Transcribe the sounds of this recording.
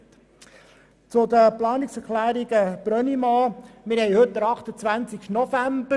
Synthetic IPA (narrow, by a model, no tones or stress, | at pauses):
t͡sʊdəplɑːnɪksɛɾklæːɾiɡəb̥ɾœnimɑːmɪɾhɛɪhɵt̪̚dəɾɑχt̪ət͡sʋænt͡sɪkʃtnɔfæmbə